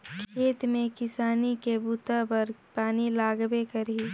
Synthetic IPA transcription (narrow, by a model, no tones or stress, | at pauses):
kʰkʰeːt̪mẽkɪsaːnikebuːt̪apɐɾpaːnilaːɡbekɐɾi